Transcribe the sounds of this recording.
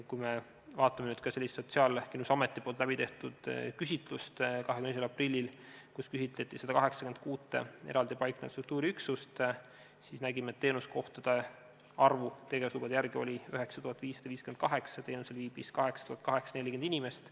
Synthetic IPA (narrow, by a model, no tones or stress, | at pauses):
kujme | vɑːt̪ˑːɑmenyːd̪̥kɑse̞lːist̪so̞t̪siɑːlkinusɑme̞t̪ːˑipolt̪læbit̪e̞ht̪ud̪̥kysit̪lust̪kɑɦekyneeselɑprilʲːilkuskysit̪let̪ːˑised̪ɑkɑɦe̞ksɑ̥kend̪̥kuːt̪ːˑḛḛɾɑld̪ipɑjknḛst̪ɾuk̚t̪uːɾiyksust̪ | sisnæɡimet̪ːe̞ːnusko̞ht̪ɑd̪̥e | ɑrvut̪e̞ɡevɑslub̥ɑd̪jærɡio̞̰lʲiøɦe̞ksɑt̪uhɑt̪ːˑviːsːɑd̪ɑviːskend̪̥̚kɑɦe̞ksɑt̪eːnuselviːb̥iskɑɦe̞ksɑ̥t̪uhɑt̪̚kɑɦe̞ksɑne̞lʲikeninime̞st̪